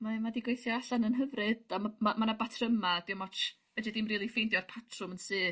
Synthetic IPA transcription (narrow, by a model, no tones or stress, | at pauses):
mamadiɡwejθjɔaɬanənɦəvrɨdamamamanabatʰrəmad̥ɪwmɔt͡ʃ | vɛdɛdɨmriːlˠifejndjɔrpʰatʰrʊmənsɨː